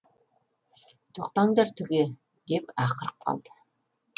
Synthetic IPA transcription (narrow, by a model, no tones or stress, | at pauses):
t̪ʰoq̚t̪ɑŋd̪ɑɾt̪ʰʏɡʲe | d̪e̞pɑqəɾəp̚qʰɑ̰lˠd̪̥ə̥